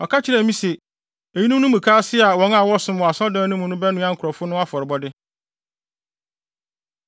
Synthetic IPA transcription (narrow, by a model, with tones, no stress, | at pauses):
ɔ˨kʰa˦t͡ɕʰɪ˦ɾɛ˨mĩ˦se˨ | e˨ji˦nũ˦nʊ̃˦mũ˨kʰaː˦sɪ˦a˨wɔ̃˨˦ŋa˦˨wɔ˦sʊ̃˦m˨ɔ˨a˨sɔ˦dãː˨˦nʊ̃˦mʊ̃˨nʊ̃˦bɛ˦nũ˦ã˦ŋ̩˨kʰʊ˨ɾɔ˨fʊ˦nʊ̃˦a˦fɔ˨ɾɪ˨bɔ˦dɪ˦